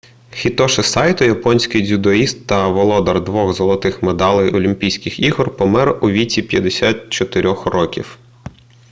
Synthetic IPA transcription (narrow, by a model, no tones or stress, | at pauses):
xʲit̪ɔʃɪsɑjt̪ʊjɐpɔnʲsʲkɪjd̪ʲud̪ɔist̪ːɐʋɔlˠɔd̪ɐrd̪ʋɔɣzɔlˠɔt̪ɪxmed̪ɑlˠɪjɔlʲimʲpʲijsʲkɪxiɦɔrpɔmɛrʊʋʲitʲipʲjɐd̪esʲat̪̚t͡ʃɔt̪ɪɾʲɔxrɔkʲḭw